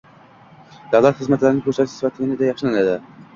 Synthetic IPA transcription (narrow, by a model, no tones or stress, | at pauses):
d̪æwlˠæt̪χɨzmæt̪laɾɪnɪŋkʰʲɵɾsæt̪t͡ʃ̪ɪ̥isvæt̪ʰːɪɪnɪd̪ɛjɑχʃɨlaned̪ɪ